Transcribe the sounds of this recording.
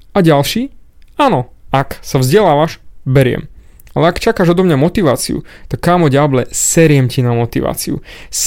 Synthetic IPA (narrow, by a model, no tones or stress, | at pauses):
aɟalʃiːaːnɔaksavzɟɛlaːʋaʃbɛɾɪɛ̰m | alɛakt͡ʃakaːʒɔd̪ɔmɲamɔt̪iʋaːt͡sḭṵt̪akːaːmɔɟablɛsɛɾɪɛmcinamɔt̪iʋa̰ːt͡siṵs